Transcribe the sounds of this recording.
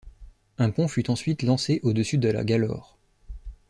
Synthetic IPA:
ɛ̃pɔ̃fyt̪ɑ̃sɥit̪lɑ̃seʔod̪əsyd̪əla̰ɡʲalɔ̰ːʁ

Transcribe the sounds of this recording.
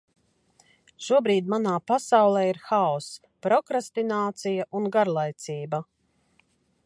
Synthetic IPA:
ʃuɔbɾiːd̪ʲmanaːpasawlˠɛiɾxaɔs | pɾɔkɾast̪inaːt̪sijaʔunɡaɾlˠajt̪siːbɐ

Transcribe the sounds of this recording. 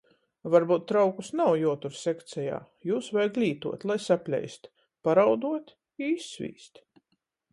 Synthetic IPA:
vaɾbuːt̪̚ːɾawkusnawjuɔt̪uɾsʲɛkt̪sɛja̰ː | juːsvajɡlʲiːt̪uɔt̪lˠajsapʲlʲɛ̰jst̪ | paɾawd̪uɔt̪ | iisːvʲḭːst̪

